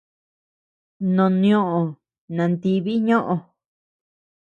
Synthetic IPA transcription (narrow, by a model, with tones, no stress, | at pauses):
nõ˨nĩ˧˦õ˦ʔõ˧ | nã˨˧nt̪i˧βi˦ɲõ˦ʔõ˧